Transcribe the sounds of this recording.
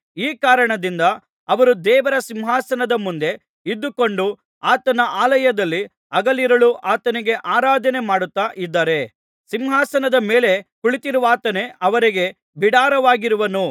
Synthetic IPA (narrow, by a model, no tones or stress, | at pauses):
iːkaːɾɐɳɐd̪ind̪ɐ | ɐʋɐɾud̪ɛːʋɐɾɐsimɦaːsɐnɐd̪ɐmund̪e̞ | id̪ːuko̞ɳɖu | aːt̪ɐnɐʔaːlɐjɐd̪ɐlːi | ɐɡɐliɾɐɭuʔaːt̪ɐniɡe̞ʔaːɾaːd̪ʱɐne̞maːɽut̪ːaːʔid̪ːaːɾe̞ | simɦaːsɐnɐd̪ɐmeːle̞kuɭit̪iɾuʋaːt̪ɐne̞ʔɐʋɐɾiɡe̞ | biɽaːɾɐʋaːɡiɾuʋɐnu